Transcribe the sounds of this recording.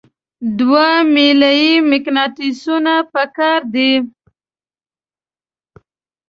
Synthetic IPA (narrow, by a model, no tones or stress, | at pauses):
d̪wamilajimɪknɑʈisunapəkɑɾd̪i